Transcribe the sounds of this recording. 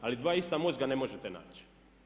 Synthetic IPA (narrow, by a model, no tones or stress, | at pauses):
alid̪ʋaːist̪amo̞zɡane̞mo̞ʒet̪ena̰ːt͡ɕi̥